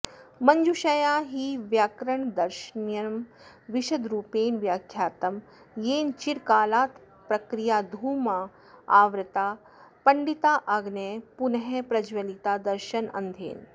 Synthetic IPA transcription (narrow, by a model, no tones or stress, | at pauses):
mɐɲd͡ʒuʃɐjaːɦiʋjaːkɾɐɳd̪ɐɾʃɐnjɐm | ʋiʃɐd̪ɾuːpeːnʋjaːkʰjaːt̪ɐm | jeːnt͡ʃiɾkaːlaːt̪ | pɾɐkɾijaːd̪ʱuːma | aːʋɾɐt̪aː | pɐɳɖit̪aːʔɐɡneːpunɐɦepɾɐd͡ʒʋɐlit̪aːd̪ɐɾʃɐnɐ̰nd̪ʱḛːn